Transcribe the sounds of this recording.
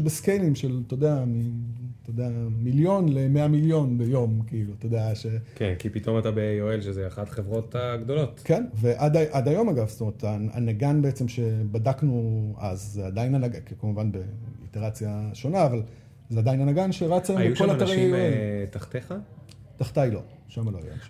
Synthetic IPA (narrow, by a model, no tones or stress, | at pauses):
beskejlimʃelt̪od̪eamit̪odeamiljo̞nle̞meamiljo̞nbe̞jo̞mkiilutod̪eaʃe̞kenkipit̪o̞matabejoelʃezeaχatχevʁo̞t̪aɡd̪o̞lo̞tkenve̞ʔad̪aʔad̪ajo̞maɡavst̪omeet̪aa̰naɡanbeet͡semʃe̞badaknuazzead̪ainanaɡakkamuvanbe̞ḭteʁat͡sjaʃo̞naːval | zeadainanaɡanʃeʁat͡sajemjbeko̞lanaʁejajoeltaχt̪eχa | taχt̪ajlo̞̰ | ʃamaloa̰ja̰mʃa